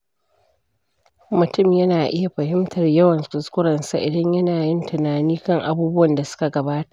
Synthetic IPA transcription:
mʊ˨tʊ˦mjɐ˦naː˨ʔɪ˦ja˨ɸɐ˨hɪ˦mtʰɐ˨rjɐ˦wɐ˨nkʊ˨skʷʊ˦ɽɐ˨nsa̰˦ʔɪ˨dɐ˦ɲjɐ˦naː˨jɪ˦ntɪ˨naː˨niː˦kɐ˦˨ŋʔa˨buː˦bʊ˦wɐ˨nda˨sʊ̥˦ka˨ɡɐ˨baː˦tḁ˨ʔ

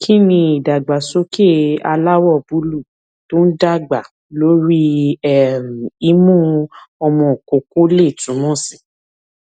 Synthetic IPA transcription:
kʰi˦nĩ˧i˨da˨ɡ͡ba˨so˦ke˦a̰˧la˦wɔ˦˨bu˨˦lu˦˨ | to˦n̩˦da˦˨ɡ͡ba˨ | lo˦ɾi˦ɛ˦˨m̩˨i˦mũ˦ɔ˧mɔ̃˧˨ko˨ko˦le˦˨tũ˨˦mɔ̃˦˨sĩ˨

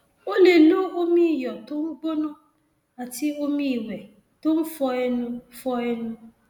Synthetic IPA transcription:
o˦ne˨nʊ̃˦o˦mĩ˦˨jɔ˨tʊ˦ŋ̩˦ɡ͡bo˦nʊ̃˦ | a˨tʰi˦o˦mĩ˦˨wɛ˨ | tʊ̃˦m̩˦fɔ˦ɛ˦nʊ̃˦fɔ˦ɛ˦nʊ̃˦

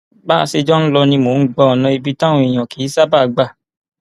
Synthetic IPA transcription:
ba˦˧se˧d͡ʒɔ˦n̩˦lɔ˧nĩ˧mo˨˦ɡ͡bɔ˦ɔ˨nã˧i˧bi˦tã˦õ˧˨i˨j̃ɔ̃˨ki˨˦sa˦ba˦˨ɡ͡ba˧˨

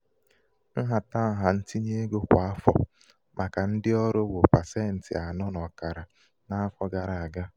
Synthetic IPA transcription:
n̩˦ɦa˨ta˦ɦa˨n̩˦ti˦ɲe˦ɡo˦kʷa˦fɔ̰˦ | mʔa˨ka˨n̩˦dɪ˦ɔ˦ɾʊ˦wo˨pa˨se˦˨n̩˨tɪ̰˨a˨nɔ˦nɔ˨ka˨ɾa˨ | na˦a˦fɔ˦ɡa˨ɾa˨a˨ɡa˦

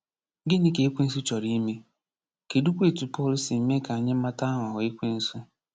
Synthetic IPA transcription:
ɡɪ˦nɪ˦ke˨˦e˦kʷi˦n̩˦s̬u˦t͡ʃɔ˨ɾi˦me˦ | ke˨du˦kʷe˦˨tu˨pɔ˦li˦si˨˦me˦ka˨a˨ɲɪ˦ma˦ta˦a˦ŋʷa˨ɦʊ˨e˦kʷi˦n̩˦sʊ˦

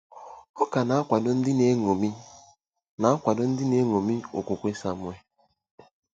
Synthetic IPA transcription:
ɔ˦ka˨na˨a˦kʷa˨dɔ˦n̩˦dɪ˦ne˦ŋo˨mi˦ | na˨˦a˦kʷa˨dɔ˦n̩˦dɪ˦ne˦ŋo˨mi˦o̰˨kʷo˨kʷe˦sa˦mʊ˦e˦

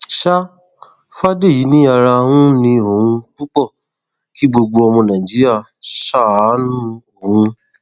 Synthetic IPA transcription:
ʃa˦ | fa˦de˦˨ji˨˦nĩ˦a˦˧ɾa˧hũ˦nĩ˧o˨hũ˧k͡pu˦k͡pɔ˦˨ | ki˦ɡ͡bo˧ɡ͡bo˧ɔ˧mɔ̃˧nã˨ĩ˨d͡ʒi˨˦ɾi˦a˦˨ | ʃa˦˨˦nũ˦o˨ɦũ˧

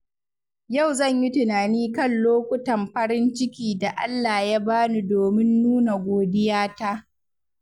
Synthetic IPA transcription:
ja˦˨wzɐ˦˨ɲji˦tɪ˨naː˨niː˦kɐ˦˨nloː˦kʷʊ˦tɐ˨mɸɐ˦ɽɪ˦nt͡ʃɪ˦kʲiː˨da˨ʔa˦lːaː˨ja˦baː˦nu˦doː˨mɪ˦nːuː˦na˨ɡʷoː˨dɪ˦jaː˦ta˦ʔ

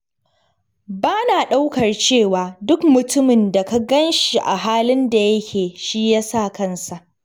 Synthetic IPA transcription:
baː˦naː˨ɗa˦wkɐ˨rt͡ʃeː˦˨waː˨dʊ˦kmʊ˨tʊ˦mɪ˨nda˨ka˦ɡɐ˦nʃi˨ʔa˨ɦaː˦lɪ˦nda˨jɐ˦kʲʰeː˨ʃi˦jaː˦sa˦˨kɐ˦˨nsa˨ʔ

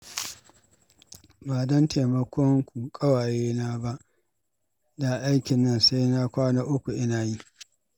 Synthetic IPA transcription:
baː˨dɐ˦ntʰe˨mɐ˦kʷʰɔ˦ŋkʷu˨kʼɐ˦waː˨jeː˦naː˦ba˦ʔ | da˨ʔa˦jkʲɪ˨nːɐ˦˨nsa˦jna˦kʷaː˦naː˦ʔʊ˦kʷu˨ʔɪ˦naː˨ji˦

